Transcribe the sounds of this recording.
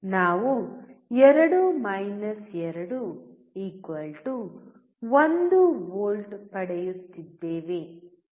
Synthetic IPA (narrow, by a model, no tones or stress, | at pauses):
naːʋuɛɾɐɽumɐjnɐsɛɾɐɽu | iːkʋɐlʈu | ʋond̪uʋoːlʈpɐɽɐjut̪ːid̪ːeːʋe